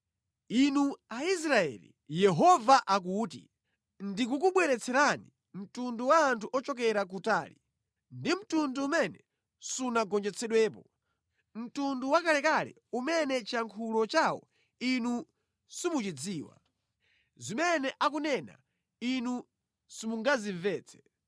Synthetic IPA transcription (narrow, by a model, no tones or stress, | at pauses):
inuais̬ɾaɛ̰lḭ | jɛɦɔvaʔak̬uːtḭ | ndik̬ukuɓwɛɾɛt͡sʰɛɾani | m̩tunduwaːntʰuʔɔt͡ʃɔk̬ɛɾak̬utaːli | ndim̩tunduːmɛnɛ | sunaɡɔnd͡ʒɛt͡sʰɛɗwɛːp̬ɔ | m̩tunduwakalɛkalɛ̰ | umɛnɛt͡ʃaŋkʰulɔt͡ʃawɔ̰ | inu | simut͡ʃid͡ziːwa̰ | zimɛnɛʔak̬unɛna̰ | inu | simuŋɡaziɱvɛːt͡sʰɛ̥